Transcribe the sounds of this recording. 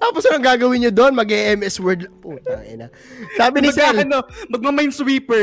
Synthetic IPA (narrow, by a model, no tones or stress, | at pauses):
t̪aːposɐnɐŋɡaːɡɐwɪnɲod̪onmɐɡʔɛʔɛmɛswɛɹd̪lɐŋpʊt̪a̰jɐna | saːbɪnɪsɛlnomɐɡ̚mɐmɐjnswiːpɛ